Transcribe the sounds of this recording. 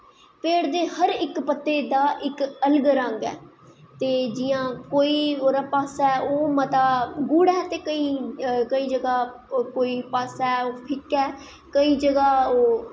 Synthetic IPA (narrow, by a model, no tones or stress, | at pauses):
pʰeːɽd̪eːhəɾɪkpət̪ːeːd̪aːʔɪkələɡɾə̃ŋɡɛ̰ː | t̪eːd͡ʒɪjãːkoːiːoːɾãːpaːsɛːoːmət̪aːɡuːɽɛːt̪eːkəiːkəiːd͡ʒəɡaː | koːiːpaːsɛːoːpʰɪkɛː | kəiːd͡ʒəɡaːoː